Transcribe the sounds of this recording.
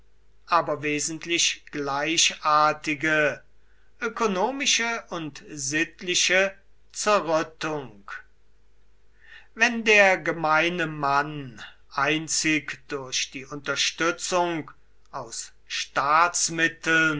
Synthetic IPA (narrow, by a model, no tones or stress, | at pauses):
ʔaːbɐveːzən̩tlɪʃɡ̥laɪʃʔaːɐtɪɡə | ʔøkonoːmɪʃəʊntzɪtlɪʃə | t͡sɛɐʁœtʊŋk | vɛndeːɐɡəmaɪnəman | ʔaɪnt͡sɪkd̥ʊɐʃd̥iːʔʊntɐʃtʏt͡sʊŋk | ʔaʊs | ʃtaːtsmɪtl̩n